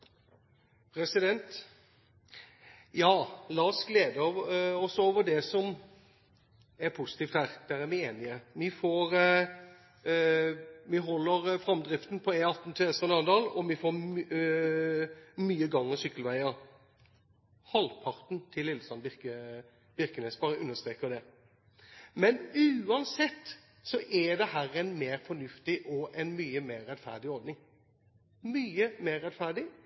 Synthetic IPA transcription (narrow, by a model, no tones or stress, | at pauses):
pʰɾɛsɪd̪ɛnt̪ | jɑːlɑːɔsɡleːd̪əɔsɔoːʋəd̪ɛsɔm | ɛɾpʰusɪ̥t̪iːft̪hæːʁd̪̥æɾæɾmɪeːnɪəmɪfoːɾ | mɪɦɔlːəɾfɾɑmd̪ɾɪft̪n̩pʰɔɛɑt̪n̩t̪ʰøɛsənɑnd̪ɑːlɔmɪfoː | myːəɡɑŋːəsʏkːəlʋæɪəɾ | hɑlpʰɑʁt̪nt̪ʰɪlːɪlːəsɑnbɪkə | b̥ɪʁkənɛsbɑʁʉnːəst̪ʁeːkəd̪ɛ | mɛnʉːɑnsɛt̪ː | sɔʔɛd̪ɛhæːɾɛɪnmeːɾfɔɳʉft̪ɪʔɔʔɛnmyːəmeːɾːɛt̪fæ̰ʁd̪ɪɔɾd̪nɪŋ | myːəmeːʁːɛt̪fæʁɖɪ